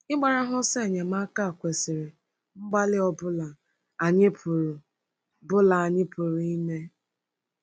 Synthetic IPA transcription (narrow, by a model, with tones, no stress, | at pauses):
ɪ˦ɡ͡ba˨ɾa˦ɦʊ˦se˦˨ɲe˨ma˦ka˦a˨kʷe˨sɪ˨ɾɪ˨ | ŋ͡m̩˦ɡ͡ba˦lɪ˦ɔ˦bʊ˦la˨ | a˨ɲɪ˦pɾ | bʊ˦la˨a˨ɲɪ˦pu˨ɾi˦ne˦